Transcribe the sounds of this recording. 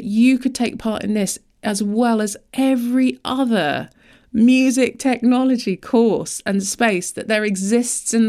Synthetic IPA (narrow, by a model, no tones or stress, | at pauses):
t͡ʃɨkʰəd̚tʰeɪk̚pʰɑˑɾɪ̰̃nðɪs | ʔəzwɛləzʔɛvɹiʔʌðə | mjʉːzɪk̚tʰɛk̚nɒləd͡ʒikʰɔˑsə̃nspeɪsðəʔðəɹɪɡzɪstsɨ̃n